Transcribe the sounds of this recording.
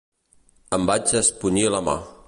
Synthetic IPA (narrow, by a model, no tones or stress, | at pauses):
əmbad͡ʒəspuniləma̰